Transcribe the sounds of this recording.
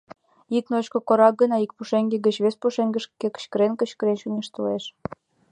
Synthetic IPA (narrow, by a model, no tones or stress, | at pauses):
iknot͡ɕkŏkoɾɑk̚ɡə̆nɑik̚puʃeŋɡeɡət͡ɕβespuʃeŋɡə̆ʃkːekə̥t͡ɕkə̆ɾenkə̆ɕkə̆ɾenʃunʲeʃt̪əleʃ